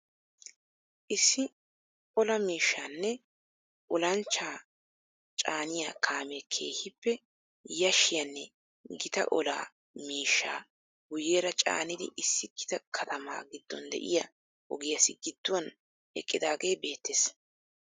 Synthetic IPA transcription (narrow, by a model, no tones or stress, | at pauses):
ʔɪsːɪ | ɔlɐmiːʃːaːnːɛ | ʔɔlɐnt͡ʃːaː | t͡ʃʼaːnɪjaːkʰaːmekʰe̞̰ːhɪpːɛ | jɐʃɪjɐnːɛ | ɡɪt̪ɐ̰ʔɔla̰ː | miːʃːaː | ɡʊjeːɾɐt͡ʃʼa̰ːnɪd̪ɪ̰ʔɪsːɪɡ̥ɪt̪ɐkʰɐt̪ʰɐma̰ːɡɪd̪̥ːɔ̰nd̪ɛ̰ʔɪ̰jɐ | ʔɔɡɪjɐsɪɡɪt̪ːʊwɐn | ɛ̰kʼːɪd̪aːɡejbe̞ːt̪ːeːs